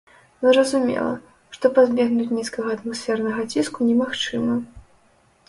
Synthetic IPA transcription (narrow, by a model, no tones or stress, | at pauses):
zzrɐzumʲɛ̰lˠɐ̰ | ʂt̪ɔpazʲbʲɛɣnut͡sʲnʲiskɐɣɐɐt̪masʲfʲɛrnɐɣɐt͡sʲiskunʲɛmaxt͡ʂɨmɐ